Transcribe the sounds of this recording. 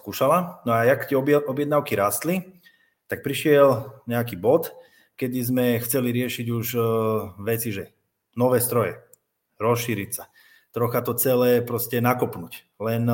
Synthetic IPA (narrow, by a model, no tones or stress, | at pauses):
skuːʃalanɔajakt̪ɛbɔbjɛd̪naʊkiɾaːst̪li | t̪ak̚pɾiʃɪɛlɲɛakiːbɔt̪ | kɛd̪izmɛxt͡sɛliɾɪɛʃiɟuʒ | ʋɛt͡siʒɛ | nɔʋɛːst̪ɾɔjɛ | ɾɔsʃːiːɾicsa | t̪ɾɔxat̪ɔt͡sɛlɛːpɾɔscɛnakɔpnuc | lɛn